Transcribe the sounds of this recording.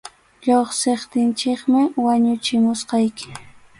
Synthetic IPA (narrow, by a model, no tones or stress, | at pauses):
ʎoχsɪχt̪ɪnt͡ʃɪkmɪwaɲʊt͡ʃɪmʊsqɑjkɪ̥